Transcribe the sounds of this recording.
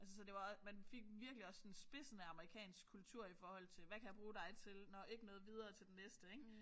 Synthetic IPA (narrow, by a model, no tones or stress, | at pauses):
æls̬əsɒ̽d̥e̝ʋɑɒ̽mænfe̝ɡ̥ʋiɐɡ̥liɒ̽sːɒ̽nnsb̥e̝sənəɑ̈məʁikʰɛ̰ːnsɡ̥kʰːult͡sʰuɐ̰ifɒːhɒ̽l̰t͡sʰe̝lʋækʰæjɑ̈b̥ʁuːd̥ɑ̈ɪt͡sʰe̝lnɒe̝ɡ̥ənɔ̽ːð̞̩ˠʋið̞ˠɐːt͡sʰe̝ld̥enesd̥əeɡ̥